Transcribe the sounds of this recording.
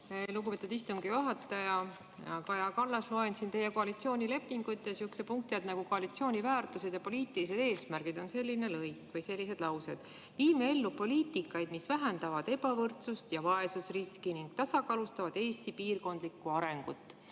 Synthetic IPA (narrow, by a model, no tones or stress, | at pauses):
luɡupet̪ud̪ist̪uŋɡ̥ijɑɦɑt̪ːˑɑjɑ | ɑkɑjɑkɑlːɑsloensint̪e̞jeko̞ɑlit̪sio̞ːnʲile̞pːˑiŋɡ̥uyt̪ːˑesyksepuŋk̚t̪jɑt̪nɑɡ̥uko̞ɑlit̪sio̞ːnʲivæːrt̪ˑuse̞d̪̥jɑpo̞liːt̪ilise̞d̪̥e̞ːsmærɡ̥id̪̥o̞nse̞lʲːine̞lɤjkːvɤjse̞lʲːise̞d̪̥lɑwsed̪̥ | viːmee̞lːupo̞liːt̪ikːˑɑjd̪̥misvæɦend̪ɑvɑd̪̥e̞bɑvɤrt̪sust̪jɑvɑe̞susriskiniŋɡ̥t̪ɑsɑkɑːlust̪ɑvɑd̪̥e̞ːst̪ipiːrko̞nd̪likːˑuɑɾe̞ŋɡ̥ut̪ːˑ